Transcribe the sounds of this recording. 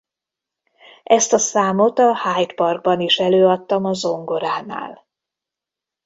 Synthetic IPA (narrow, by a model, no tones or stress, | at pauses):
ʔɛst̪ɒsaːmot̪ɒhaːjt̪pɒrɡ̚bɒniʃɛløːɒt̪ːɒmɒzo̞ŋɡo̞ɾaːna̰ːl